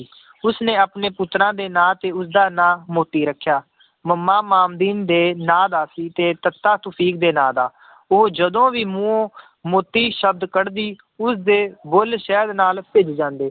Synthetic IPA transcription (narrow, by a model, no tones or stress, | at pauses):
ʊsnẽːaːpneːpʊt̪ɾãːd̪eːnãːt̪eːʊs̬d̪aːnãːmoːt̪ːiːɾəkʰːjaː | məmːaːmaːmd̪iːnd̪eːnãːd̪aːsiːt̪eːt̪ət̪ːaːt̪ʊpʰiːk̚d̪eːnãːd̪aː | oːd͡ʒəd̪õːʋiːmũːõː | moːt̪ːiːʃəb̚d̪kəɽd̪iː | ʊsd̪eːbʊlʃɛːd̪naːlpɪd͡ʒd͡ʒãːnd̪eː